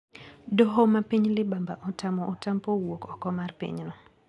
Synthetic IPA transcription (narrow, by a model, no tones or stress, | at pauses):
doɦomapiɲlɪbambaʔɔtamɔʔːtampowokɔkɔmarpḭɲnɔ